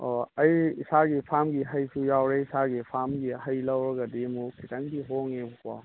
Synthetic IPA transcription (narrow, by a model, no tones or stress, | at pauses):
ɔɐjisaɡipʰamɡiɦajsʰujawɾeisaɡipʰamɡiɦajlɐwɾɔɡadimukʰitaŋbiɦoŋebukwa̰